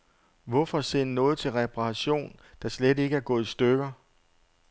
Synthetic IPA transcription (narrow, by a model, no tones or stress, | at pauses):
ʋɒfɒ̽sennɔ̽ːð̩ˠt͡sʰe̝lʁɛpʰʁɑɕo̝̰ːnd̥ɑ̈slede̝ɡ̥əæɐɡ̥ɔ̽ːð̞̩ˠisd̥øɡ̥ɐ